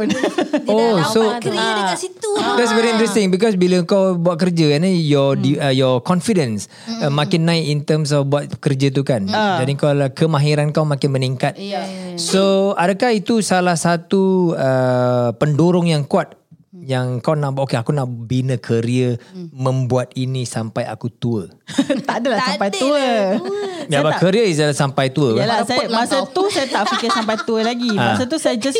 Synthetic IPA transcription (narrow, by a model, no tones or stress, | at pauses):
osoasit̪ud̪ɛtsvɛɾiĩnt̪ɾɛst̪ɪŋbikɔs̬biləkawbuat̪̚kərd͡ʒəanijɔdiəjɔkɔnfidəns | mãkɪnːãɪkint̪əms̬ɔfbuat̪̚kərd͡ʒət̪̬ukand͡ʒd͡ʒadikalakəmãɦiɾankawmãkɪnməniŋkat̪̚soadakahit̪usalahsat̪uəpəndoɾʊŋjaŋkuat̪̚jaŋkawnaʔbʔokeakunaʔbinəkʰəɾiəmə̃mbuat̪̚inĩsampaja̰kut̪uət̪aʔdalahsampajt̪uə | jabakəɾiəizəlasampajt̪uəkalamasat̪usajat̪aʔfikɪsampajt̪uəlaɡimasət̪̬usajəd͡ʒas